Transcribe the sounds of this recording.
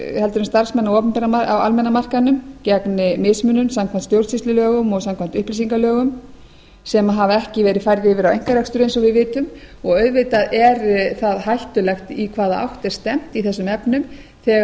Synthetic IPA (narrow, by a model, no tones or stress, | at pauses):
hɛlt̪ʏɾʏɪmst̪aɾ̥smɛnːawɔːpʏmpɛɾamaawa̰lmɛnːamar̥kanːʏmcɛknɪmɪsmʏnːʏmsamkʰvant̪st̪jowɾsist̪ʏlœːɣʏmɔɣsamkʰant̪ʏhplisiŋkalœːɣʏm | sɛmaɦavaɛhcɪvɛːɾɪðfajɾðɪɪvɪɾawejŋ̥kaɾakst̪ʏɾʏejnsɔɣvɪðvɪːt̪ʏmɔɣœɥðvɪt̪aðɛɾθaðɦajht̪ʏlɛxt̪ikʰv̥aːðaa̰wht̪ɛɾ̥st̪ɛm̥t̪iθɛsːʏmɛpnʏm | θɛɣ